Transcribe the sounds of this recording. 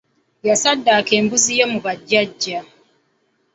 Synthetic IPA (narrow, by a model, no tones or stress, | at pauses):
jasadakembuzijemubad͡ʒad͡ʒa